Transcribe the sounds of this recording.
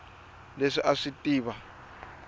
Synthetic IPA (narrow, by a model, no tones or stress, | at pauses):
leʂiʔaʂitʼiːβa